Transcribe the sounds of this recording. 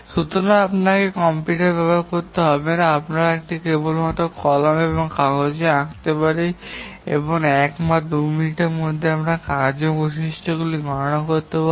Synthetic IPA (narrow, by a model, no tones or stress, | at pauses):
ʃut̪oɾaapnakekɔmpiʈeɾbɛbaɾkoɾt̪eɦɔbenaapnaɾaek̚ʈikebolmat̪okɔlameboŋkaod͡ʑeãkt̪epaɾejḛboŋɛkmad̪uminiʈeɾmod̪ʱːeamɾakad͡ʑoboʃiʃʈʰoɡuliɡʱɔɾoɽ̃akoɾt̪epa